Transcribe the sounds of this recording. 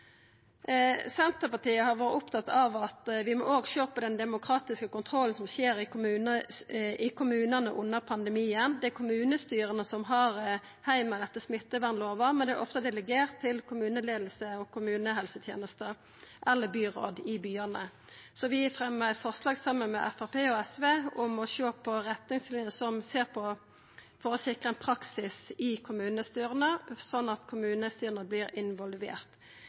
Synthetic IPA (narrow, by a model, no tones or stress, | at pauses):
sɛnt̪əpɑʈ̪iːəhɑɾʋoːɾəʔʊpt̪ʰɑt̪ːɑʋɑt̪ʋɪmo̰ːoːɡɕøːpʰɔd̪ɛnd̪ɛmʊkʰɾɑːt̪ɪskəkʊnt̪ʰɾɔlːən̩sɔmɕeːɾɪʉnəɪkʰʊmʉːnɑnəʔʊnːəʁpʰɑnd̪ɛmiːənd̪ɛækʰʊmʉːnəst̪yːɾənəsɔmɦɑʁ | hæɪmɑd̪ɛt̪ːəsmɪt̪ːəʋænloːʋɑmɛnd̪ɛ̰ʔɔ̰ft̪əd̪ɛləɡeːʁt̪ʰːɪlkʰʊmʉːnəleːd̪l̩səɔkʰʊmʉːnəɦɛlsət̪ʰjḛːnəst̪ə | ʔɛlːəbyːʁo̰ːd̪ɪbyːɑnə | sɔʋɪɪfʁɛmːəæɪt̪fɔʁslɑːɡsɑmːənmɛ̰ʔɛfæʁpeːɔɛsʋeːʊmɔʃoːpʰɔɾɛt̪nɪŋslɪnjəsɔmseːʁpʰɔ | fɔɾɔsɪkʁɑəɛnpʰɾɑksɪsɪkʰʊmʉːnəst̪yːʁənəsɔnːɑt̪kʰʊmʉːnəst̪yːʁənəblɪɾɪnʋɔlʋḛːʁt̪